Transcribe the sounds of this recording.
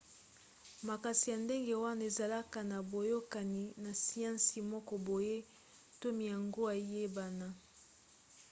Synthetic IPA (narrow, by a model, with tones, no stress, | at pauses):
ma˨ka˨si˨ja˨nde˦ŋɡe˨wa˦na˨e˨za˨la˦ka˨na˨bo˨jo˦ka˨ni˨na˨si˨ã˦si˨mɔ˦kɔ˨bo˨je˦ | to˦mi˨ja˨ŋɡo˦a˨˦je˦ba˨na˨